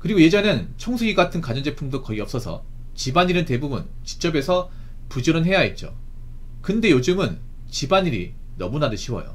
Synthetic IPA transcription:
kɯɾiɡoje̞d͡ʑʌnent͡ɕʰoŋsʰuɡiɡatʰɯnkad͡ʑʌnd͡ʑe̞pʰumdokʌiʌp̚s͈ʌsʰʌ̰ | t͡ɕibaɲiɾɯnte̞bubun | t͡ɕi̥k̚t͡ɕ͈ʌbe̞sʰʌ | pud͡ʑʌɾɯnɦe̞jaet̚t͡ɕ͈o̰ | kɯnde̞jod͡ʑɯmɯn | t͡ɕibaɲiɾi | nʌmunadɯɕʰiwʌ̰jo̰

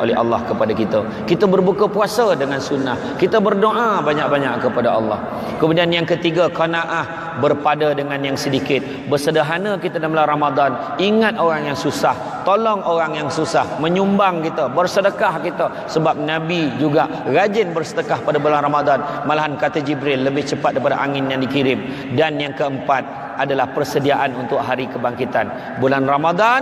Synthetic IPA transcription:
ʔo̰lɛɦa̰lːɑ̰hkəpadakit̪ə | kit̪əbərbukəpuasədəŋansunːah | kit̪əbərdoʔabaɲaʔk̚baɲaʔkəpadaʔɑ̰lːɑ̰h | kəmudianjaŋkət̪iɡakanaʔah | bərpadadəŋanjaŋsədikɪt̪̚ | bərsədəɦanəkit̪adamlaramad̪an | iŋat̪̚ʔoɾaŋjaŋsusah | t̪olɔŋʔoɾaŋjaŋsusahmə̃ɲumbaŋkit̪əbərsədəkahkit̪ə | səbap̚nãbid͡ʒuɡa | ɣad͡ʒɪnbərsədəkahpadabulanramad̪anmalaɦankat̪əd͡ʒibɾɪlːəbɪht͡ʃəpat̪̚daip̬adaʔaŋɪnjaŋdikiɾɪm | danjaŋkəəmpat̪̚ | adalahpərsədiaʔanunt̪ʊk̚ɦaɾikəbaŋkit̪an | bulanramad̪a

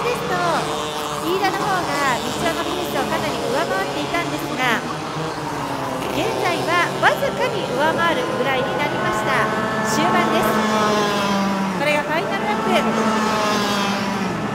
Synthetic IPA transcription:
d̪e̞sɨ̥t̪o | iːd̪anoɦo̞ːɡaɾʲit͡ɕɨonokiĩɕiokanaɾʲiɯ̟βamaβat̪ːe̞it̪ãnd̪e̞sɨɡa | ɡẽ̞nzaiβaβazɨkaɲ̟iʔɯ̟βamaβaɾɯ̟ɡɯ̟ɾaiɲ̟inaɾʲimaɕi̥t̪aɕɨːbãnd̪e̞sɨ̥ | ko̞ɾe̞ɡakainaɾnakɯ

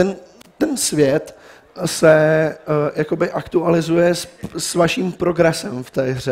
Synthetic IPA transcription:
t̪ɛnt̪ɛnsvjɛt̪ | sɛ | jako̞bɪʔakt̪ualɪzujɛssvaʃiːmpɾo̞ɡɾɛsɛmft̪ɛːɦrɛ

